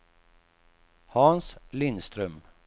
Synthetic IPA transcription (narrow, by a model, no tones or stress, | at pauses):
hɑnslɪnst̪ɾœm